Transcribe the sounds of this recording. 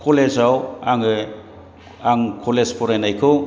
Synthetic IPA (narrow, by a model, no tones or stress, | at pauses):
kʰolezawaŋɯ | aŋkʰolespʰɔɾajnajkʰɯw